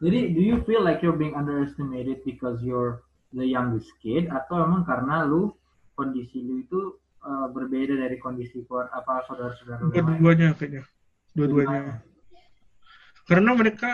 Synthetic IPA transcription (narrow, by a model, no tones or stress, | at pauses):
d͡ʒadidujufilːajkjɔɹbiɪŋãndəɾɛst̪imeɾɪd̪̚bikɔsjɔɹ | ðəjaŋdəskɪdat̪awmemaŋkaɾənalʊ | kondisiluit̪u | ʔəbərbedadaɾikondisikuat̪apaasadasəɡaɾdaduaɲaakaɲa | duaduaɲa | kaɾənaməɾeka